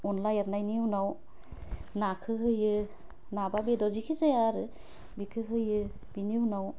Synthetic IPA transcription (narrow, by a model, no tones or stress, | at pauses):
unlajaɾnajniwnaw | nakʰɯɦɯjɯ | nababedɔzikʰizejaɾɯ | bikʰɯɦɯjɯ | b̥iniuwnaw